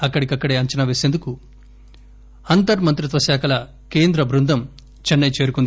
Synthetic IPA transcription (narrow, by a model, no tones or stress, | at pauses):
ɐkːɐɽikɐkːɐɽeːɐɲt͡ʃɐnɐʋeːseːnd̪uku | ɐnt̪ɐɾmɐnt̪ɾut̪ʋɐsaːkʰɐlɐ | ke̞ːnd̪ɾɐbɾund̪ʱɐm | t͡ʃɐnːɐjt͡ʃe̞ːɾukund̪i